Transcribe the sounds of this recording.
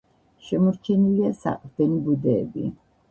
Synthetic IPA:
ʃɛmɔɾt͡ʃʰɛniliasa̰qʼɾd̪̥ɛnibud̪ɛːbḭ

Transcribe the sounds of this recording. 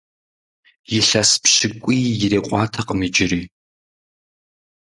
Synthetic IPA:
jɪɬɐspɕɪkʷʼiːjɪɾeːqʷʼɑːtʰɐqʼəmid͡ʒɪriː

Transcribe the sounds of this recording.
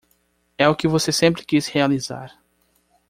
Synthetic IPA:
ɛʊkɪvosesẽmpɾɪkishealiza̰ɾ

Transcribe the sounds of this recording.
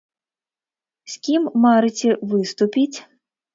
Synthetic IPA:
sʲkʲimːaɾɨt͡sʲɛvɨst̪upʲit͡sʲ

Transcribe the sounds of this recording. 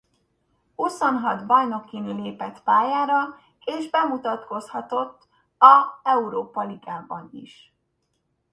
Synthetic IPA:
uso̞nɦɒd̪bɒjno̞kːinyleːpɛt̪paːjaːɾɒ | eːʒbɛmut̪ɒt̪ko̞shɒt̪o̞t̪ː | ɒɛuɾoːpɒliɡaːbɒnḭʃ

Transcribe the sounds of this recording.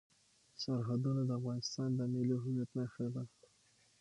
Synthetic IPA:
saɾɦad̪unad̪əafɣɑnɪst̪ɑnd̪əmeliɦʊmjat̪naʃɾed̪a

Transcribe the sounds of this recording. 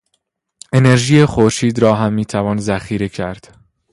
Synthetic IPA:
e̞ne̞ɾʒijexoɾʃiːd̪ɾɒːɦæmːiːt̪ʰævɒːnzæxiːɾe̞cʰæɾd̪̥

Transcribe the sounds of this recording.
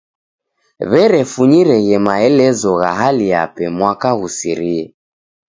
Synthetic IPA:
βɛɾɛfuɲiɾɛɣɛmaɛlɛzɔɣa̰ɦalia̰pɛmwakaɣusiɾiɛ

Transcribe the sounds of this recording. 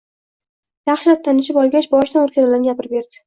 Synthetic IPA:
jɑχʃɪlap̚t̪ʰanɪʃɪpɒlˠɡʲat͡ʃbɒʃt̪anoɾkʰʲazblanɡʲapʰɪɾɪbe̞ɾd̪̥ɪ̥

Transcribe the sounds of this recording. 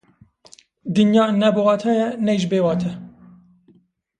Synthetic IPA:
d̪ɨnjɑːnɛbowɑːt̪ʰɑjɛnɛjʒbeːwɑːt̪ʰɛ

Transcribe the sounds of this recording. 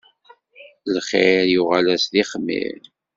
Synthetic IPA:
lχeɾjuʁælæsðiχmːḭɾ

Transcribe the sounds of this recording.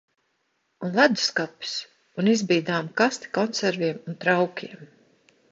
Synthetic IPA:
unlˠad̪u̥skapi̥s | unizbiːd̪aːmkast̪i̥kɔnsæɾviɛmunt̪ɾawkʲʰiɛm

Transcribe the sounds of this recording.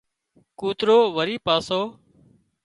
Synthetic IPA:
kuːt̪ɾoːʋəɾiːpaːsoː

